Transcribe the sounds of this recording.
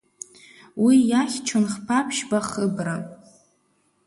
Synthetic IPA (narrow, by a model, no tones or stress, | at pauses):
wijaχʲt͡ʃʰʊnχpʰapʰʃbaχəbra